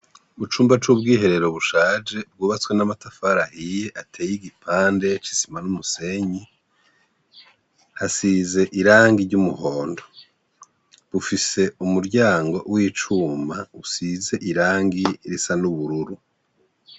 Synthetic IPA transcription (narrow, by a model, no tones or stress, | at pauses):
βut͡ʃuːmbat͡ʃub̚ɡiːhe̞ɾe̞ɾo̞βuʃaːd͡ʒe̞b̚ɡuːβat͡swe̞namatafaɾahije̞ʔatʰeːjiɡipʰaːnde̞t͡ʃi̥si̥manumuse̞ɲi | hasize̞ʔiɾaːŋɡiɾɟumuhoːndo | βufise̞umuɾɟaːŋɡo̞̰wʔiːt͡ʃuːmausize̞ʔiɾaːŋɡiɾisanuβuɾuɾu